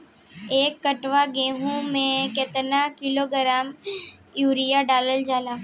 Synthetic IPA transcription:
eːkːəʈʋaɡẽːɦũmẽket̪ənakɪloɡəɾaːm | juːɾijaɖaːləld͡ʒaːlaː

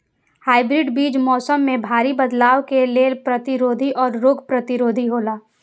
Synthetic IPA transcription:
haːɪbɾɪɖbiːd͡ʒmɔːsəmːẽbʱaːɾibɐd̪laːwkeleːlpɾɐt̪ɪɾoːd̪ʱiʔɔːɾːoːɡʱpɾɐt̪ɪɾoːd̪ʱiɦoːlaː

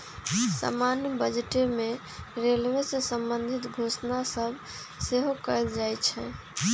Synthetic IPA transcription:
sa̰manjəbəd͡ʒʈeme | ɾelʋesesəmbənd̪ʱit̪ɡʱosnasəbʱ | seɦokəjld͡ʒajt͡ʃʰɛ̰̃

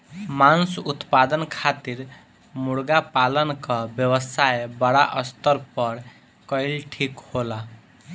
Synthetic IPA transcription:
mansut̪pad̪ənkʰat̪iɾ | muɽɡapalənkʌbjəwəsaebəɽaʔʌst̪əɾpʌɾ | kʌilʈʰikhola

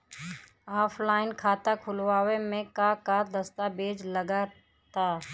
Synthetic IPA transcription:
aːpʰlaːɪnkʰaːt̪akʰʊlʋaːwemẽkakaːɾd̪ɐst̪abeːd͡ʒləɡaː | t̪aː

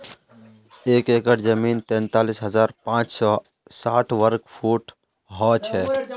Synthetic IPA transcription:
eːkeːkəʈd͡ʒəmiːnt̪ɛ̃ːnt̪aːliːsɦəzaːɾpãːt͡ʃsɔː | saːʈʰʋəɾkpʰuːʈ | ɦɔːt͡ʃʰɛː

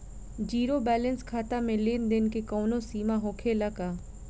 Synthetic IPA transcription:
d͡ʒiːɾobɛːlə̃nskʰaːt̪amẽlɪnd̪ɪnkekɔːnõsiːmaɦoːkʰelakaː

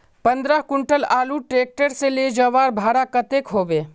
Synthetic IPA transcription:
pə̃nd̪ɾəɦkʊɳʈəlaːluːʈɾeːk̚ʈəɾseled͡ʒəʋaːɾbʱaːɾakət̪eːkɦoːbeː

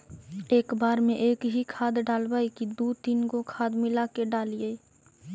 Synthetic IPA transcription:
eːkbaːɾmẽʔeːkɦikʰaːd̪ɖaːlbaːikid̪oːt̪iːnkokʰaːd̪mɪlaːkeɖaːlie

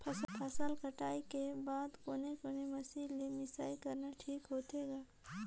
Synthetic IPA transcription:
pʰpʰɐsəlkɐʈaːikebaːd̪koːnekoːnemɐsiːlːemɪsaːikɐɾnaʈʰiːkɦoːt̪eːɡaː

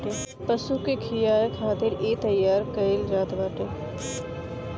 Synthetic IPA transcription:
ʈe | pəsukekʰijaːkʰaːt̪ɪɾeːt̪ɐjːaːɾkɐɪld͡ʒaːt̪baːʈe

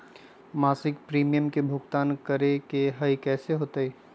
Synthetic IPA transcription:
maːsɪkpɾiːmijəmkebʱʊɡt̪aːnkɐɾekeɦɐjkɛːseɦoːt̪eeː

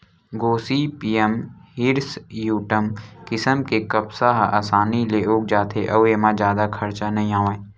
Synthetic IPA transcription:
ɡoːsipiːəmhɪɾsjuːʈəmkɪsəmkekɐbsaɦa̰ːsaːnileoːk̚d͡ʒaːt̪ʰeʔɐʋemãd͡ʒjaːd̪akʰɐɾt͡ʃanɐɦĩaːʋãːẽ

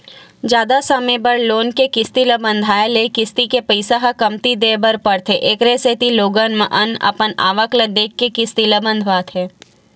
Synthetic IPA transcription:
d͡ʒjaːd̪asəmẽbəɾloːnkekɪst̪iləbə̃nd̪ʱaːelekɪst̪ikepəɪsaɦakɐmt̪id̪eːbəɾpɐɽt̪ʰeʔeːkɾeset̪iloːɡənməʔɐnɐ̰pəna̰ːʋəkləd̪eːkːekɪst̪iləbə̃nd̪ʱʋaːt̪ʰɦɛː

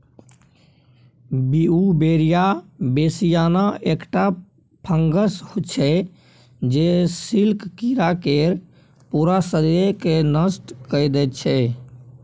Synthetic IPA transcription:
biubeɾijabesijanaekʈa | pʰəŋɡəshot͡ʃʰɛ | d͡ʒesilkkiɾakeɾ | puɾasəɾekenəsʈkəjd̪ɛt̪̚t͡ʃʰɛ

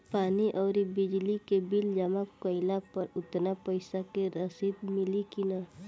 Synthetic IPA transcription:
paːniʔɔːɾibɪd͡ʒlikebɪld͡ʒəmakkəɪlapəɾʊt̪napəɪsakeɾəsid̪mɪlikina

